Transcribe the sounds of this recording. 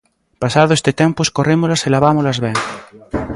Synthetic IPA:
pasaðoest̪et̪empoeskoremolaselaβamolazβeŋ

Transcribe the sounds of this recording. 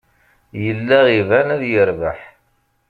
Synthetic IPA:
jəlːæʁivænæðjəɾvaħ

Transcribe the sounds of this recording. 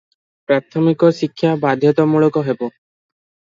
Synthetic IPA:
pɾat̪ʰɔmikɔʃikʰːjabad̪ʱjɔt̪ɔmuɭɔkɔɦebo

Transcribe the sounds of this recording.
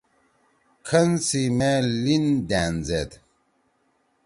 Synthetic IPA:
kʰɐnsimelind̪æːnd͡zet̪

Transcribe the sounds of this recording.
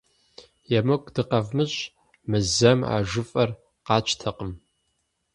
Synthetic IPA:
jɛmɐkʷʰʼd̥ɨqɐvmɨɕʼ | mɨzɐma̰ːʒʊfʼɐr | qɑːt͡ʃʰtʰɐqəm

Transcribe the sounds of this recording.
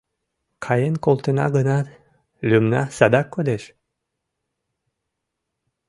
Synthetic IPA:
kʰɑjenkolˠt̪ənɑ̰ɡənɑ | lʲymnɑ̰sɑd̪ɑkːod̪eʃ

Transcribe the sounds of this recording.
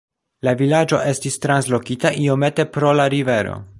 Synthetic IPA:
lavilad͡ʒo̞ʔe̞stistɾanslo̞kitaʔio̞me̞te̞pɾo̞laɾive̞ɾo̞̰

